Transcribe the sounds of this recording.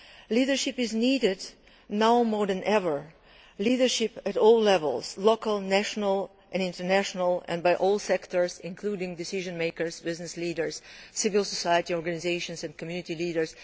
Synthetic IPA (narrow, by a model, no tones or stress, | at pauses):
lidə˞ʃɪpɪzniɾɪd | naʊmɔɹðɨ̃nʔɛvə˞ | lidə˞ʃɪpɨtɔlˠlɛvə̰lˠz̥loʊkəl̩ˠnæʃnəlˠ | ʔɨ̃nɪ̃ntə˞næʃnəlˠɛ̰̃nbaɪʔɔlˠsɛktə˞zɪ̃nkʰl̥uɾɪ̃ŋdɪsɪʒɨ̃nmeɪkə˞zbɪznɨsliːdə˞z̥sɪvɨlˠsɔsajətiɔɹɡanɪzeɪʃɨ̃nsɨ̃nkʰmjʉnɨtiliːɾə˞z̥